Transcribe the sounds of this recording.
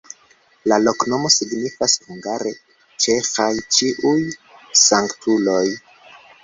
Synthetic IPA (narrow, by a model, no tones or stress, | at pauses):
lalo̞kno̞mo̞siɡnifashuŋɡaɾe̞ | t͡ʃe̞xajt͡ʃiʔujsaŋktulo̞j